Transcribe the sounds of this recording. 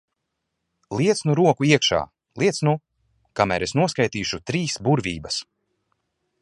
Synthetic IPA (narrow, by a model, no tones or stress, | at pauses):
lˠiɛt̪snuɾuɔkuiɛkʃa̰ː | lˠiɛt̪snu | kamæ̰ːɾesnuɔskajt̪iːʃut̪ɾiːsbuɾvʲiːbɐs